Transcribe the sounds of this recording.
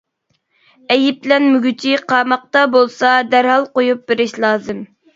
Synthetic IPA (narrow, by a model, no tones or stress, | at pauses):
ɛjip̚lɛnmyɡʲyt͡ʃʰiqʰɑːmɑq̚t̪ɑbolˠsɑd̪æɾhɑlˠqojup̚beɾɪʃlˠɑːzɨm